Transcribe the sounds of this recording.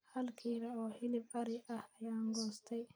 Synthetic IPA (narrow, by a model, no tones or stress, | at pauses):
hɐlkʰiːɾɐɔːhɪlɪbɐɾɪɐhɐjaːŋɡɔːst̪ʰɛj